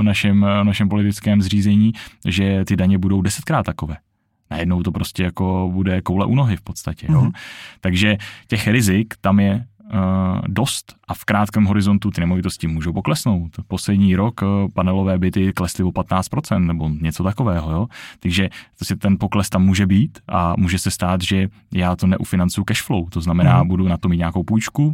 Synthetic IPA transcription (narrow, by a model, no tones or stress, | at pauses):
vnaʃɛmnaʃɛmpo̞lɪt̪ɪt͡skɛːmzr̝iːzɛɲiːʒɛt̪ɪdaɲɛbudo̞wdɛsɛt̪̚kɾaːt̪ːakovɛː | najɛdnowt̪o̞pɾo̞scɛjako̞budɛkowlɛ̰ʔuːno̞ɦɪfpot̪st̪acɛjjoːt̪aɡʒɛcɛxɾɪzɪkt̪amjɛ | do̞st̪ʔafkɾaːt̪kɛːmɦo̞ɾɪzo̞nt̪ut̪ɪnɛmo̞vɪt̪o̞scɪmuːʒowpoklɛsno̞wt̪po̞slɛdɲiːɾo̞kpanɛlovɛːbɪt̪ɪklɛslɪvo̞pat̪naːtt͡st̪pɾo̞t͡sɛnt̪nɛbo̞ɲɛt͡so̞t̪ako̞vɛːɦojoːt̪aɡʒɛposcɛt̪ɛnpo̞klɛst̪amːuːʒɛbiːt̪ʔa̰muːʒɛsɛst̪aːd̪ʒɛ | jaːt̪onɛʔufɪnant͡sujukɛʃflowt̪o̞znamɛnaːbudunat̪omit̪ɲaːko̞wpujt͡ʃku